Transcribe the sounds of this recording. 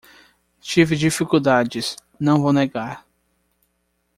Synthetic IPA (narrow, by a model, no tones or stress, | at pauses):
t͡ʃivɪd͡ʒifikud̪ad͡ʒɪs | nɐ̃w̃vowneɡaɾ